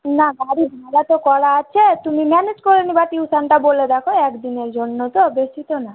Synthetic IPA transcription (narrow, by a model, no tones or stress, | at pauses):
naɡaɽibʱalat̪ɔkɔlaːt͡ʃʰet̪umimɛned͡ʒkɔɾɔnibaʈ̪iusaɳʈaboled̪akʰɔɛkd̪ineɾd͡ʒɔɳːɔt̪ɔːbestʰit̪ɔna